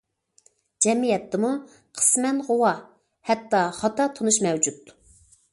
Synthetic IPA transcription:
d͡ʒɛmijɛt̪ʰːɪmu | qʰə̥smɛnʁowɑ | hɛt̪ːɑχɑt̪ɑt̪ʰonuʃmɛwd͡ʒut̪ː

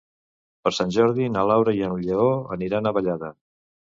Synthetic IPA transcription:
pəɾsanʲʒɔɾð̞inəlawɾəiənʎeoə̰niɾanəβəʎaðə

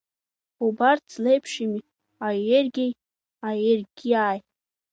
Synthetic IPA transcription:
ubart͡sʰlejpʰʂimi | aerɡʲej | aerɡʲiaːj

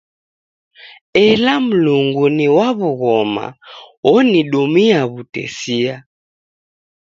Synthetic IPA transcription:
ɛlam̩luŋɡuniwaβuɣɔma̰ɔniɗumiaβutɛ̰sia

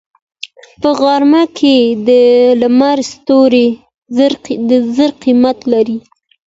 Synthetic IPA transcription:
pəɣɑɾmakʰed̪əlamaɾst̪oɾe | ɾd̪əzəɾqimat̪laɾi

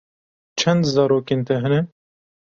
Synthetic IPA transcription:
t͡ʃʰɛnd̪zɑːɾoːkeːnt̪ʰɛɦɛnɛ

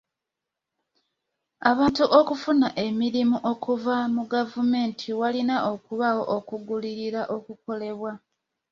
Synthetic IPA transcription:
aβaːntuʔo̞kufunaʔe̞miɾimuʔo̞kuvamuɡavume̞ːntʰiwalinaʔo̞kuβawo̞ʔokuɡuliɾiɾaʔokuko̞le̞βwa

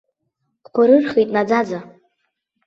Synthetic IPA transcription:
qʷʰaɾɨrχitʼnad͡zad͡za

